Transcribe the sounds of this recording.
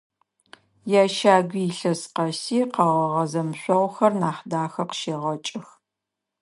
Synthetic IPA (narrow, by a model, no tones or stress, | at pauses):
jaːʃaːɡʷiːɬɐsqɐsiːqɐʁɐʁɐzɐmɕʷʼɔʁʷxɐrnaːχdaːxɐqə̥ʃeːʁɐt͡ʃʼɪx